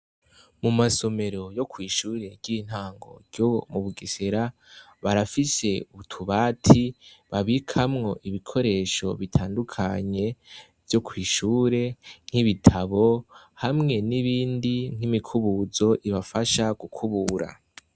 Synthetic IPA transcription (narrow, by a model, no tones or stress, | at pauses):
mumaso̞me̞ɾo̞jo̞kʰwiːʃuːɾe̞ɾɟin̥haːŋɡo̞̰ɾɟomuβuɡiseɾa | βaɾafise̞uβutʰuβaːtʰiβaβikʰamŋo̞ʔiβikʰo̞ɾe̞ːʃo̞βitʰaːndukʰaɲe̞ | vjo̞kʰwiːʃuːɾe̞ŋ̥hiβitʰaβo̞ | hamŋe̞niβiːndiŋ̥imikʰuβuzo̞ʔiβafaʃaɡukʰuβuːɾa̰